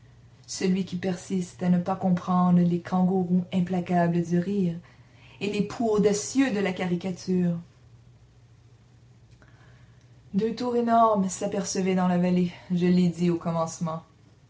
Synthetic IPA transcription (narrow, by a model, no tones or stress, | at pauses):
səlɥikʲipɛʁsist̪anəpakɔ̃pχɑ̃d̪ʁəlekʰɑ̃ɡoʁũɛ̃plakabləd̪yʁiːʁelepʰuod̪asjød̪əlakaʁikʲat̪ʰyːʁ | d̪œ̃t̪uːʁenɔʁmsapɛʁsəvɛd̪ɑ̃lavaleʒəlːed̪iokɔmɑ̃smɑ̃